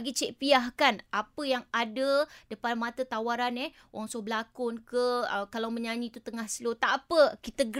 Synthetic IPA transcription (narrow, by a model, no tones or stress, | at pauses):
ɡit͡ʃɛʔ̚piahkanapəjaŋadədəpanmat̪at̪awaɾanɛh | waŋsohbəlakʊnkəəkalawmə̃ɲaɲĩt̪ut̪əŋahslot̪aʔapəkit̪əɡ